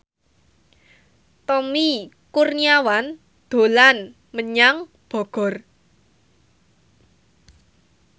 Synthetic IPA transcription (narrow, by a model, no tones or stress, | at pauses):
t̪ɔmi | kurniawan | d̪̥o̤lan | məɲaŋ | b̥ɔ̤ɡ̥ɔ̤r